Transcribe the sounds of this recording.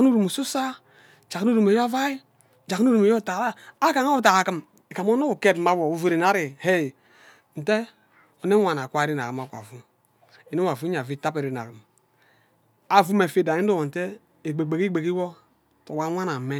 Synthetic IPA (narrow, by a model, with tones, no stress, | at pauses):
a˨knu˦ɾu˨mu˨su˦sa˦ | d͡ʒa˨knu˦ɾu˨me˨jo˦a˦va˦i˦ | d͡ʒa˨knu˦ɾu˨me˨jo˦˨ta˨laː˦ka˨ŋa˦u˨t̬a˨a˨kɨ˦m | e˨ka˨mo˦no˦u˨ke˦˨tma˨˦wo˨u˦ve˨ɾe˨na˦ɾi˨he˦˨ | n̩˨te˦ | o˨ne˦wʷa˨na˨kʷa˦e˨ɾi˦na̰˨kɨ˨ma˨kʷa̰˨vu˦ | e˨ne˦wa˨vu˦a˨vi˦ta˦pe˨ɾi˨˦na̰˨kɨ˨m | a˨vu˦me˨fe˨da˨i˦n̩˦do˦wo˨n̩˨te˦ | e˨ɡ͡be˨ɡ͡be˨ki˦ɡ͡be˨ki˦wo˦ | to˨wa˦a˦na˨me˦